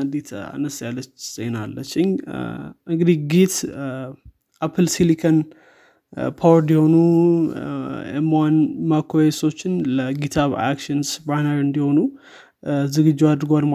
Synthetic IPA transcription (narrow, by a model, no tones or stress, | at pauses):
d̪it̪ʰa̰nəsjalːət͡ʃːz̥enalːət͡ʃːɪɲ | ʔɨŋɡɨd̪ihɡit̪ | ʔapʰɨlsilikʰən | pʰawɾnd̪iho̞nu | emanmakʰoeso̞t͡ʃːɪnləɡit̪ʰaβa̰kʃɨnsbanəɾɨnd̪iho̞nu | zɨɡɨd͡ʒːiad̪ɨɾɡoalm